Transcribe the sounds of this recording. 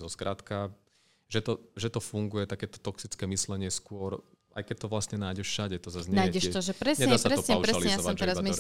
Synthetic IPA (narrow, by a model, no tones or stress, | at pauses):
zɔskɾat̪ka | ʒɛt̪ɔʒɛt̪ɔfuŋɡujɛt̪akɛːt̪ɔ̥t̪ɔksit͡skɛːmislɛɲɪɛskʊɔɾ | a̰jkɛc̚t̪ɔʋlast̪ɲɛnaːjɟɛʃʃaɟɛt̪ɔzazɲnɛːjɟɛʃɛɔʒɛpɾɛsɲɛɲd̪aːsatɾɛɔpɲɛuɾɛaliɛjjaɔsʋaɔmɛɾaza